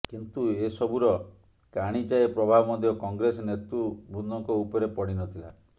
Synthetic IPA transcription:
kint̪uesɔbuɾɔ | kaɽ̃id͡ʒaepɾɔbʱabɔmɔd̪jɔkɔŋɡɾesɔnet̪ɾubʱudnːɔŋkɔupɔɾepɔɽinɔt̪ʰila̰

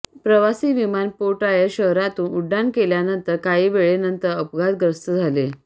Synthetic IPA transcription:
pɾəʋasiːʋimanpoʈajəɕəɦɾat̪uːnuɖːankeljanənt̪əɾkaɦiːʋeɭenənt̪əɾəpɡad̪̚ɡəɾst̪əd͡zʱale

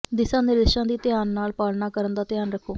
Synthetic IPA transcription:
d̪ɪsãːnɪɾɪʃãːd̪iːt̪ɪjaːnːaːlpaːlnaːkəɾənd̪aːt̪ɪjaːnɾəkʰoː

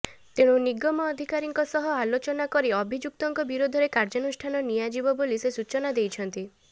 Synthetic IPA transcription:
t̪ẽũniɡɔmɔːd̪ʱikaɾiŋkɔsɔɦɔalot͡ʃɔnakɔɾiɔbʱid͡ʒuk̚t̪ɔŋkɔbiɾod̪ʱɔɾekaɾd͡ʒɔnusʈʰanɔnijad͡ʒibɔbolisesut͡ʃɔnad̪ejt͡ʃʰɔnt̪i

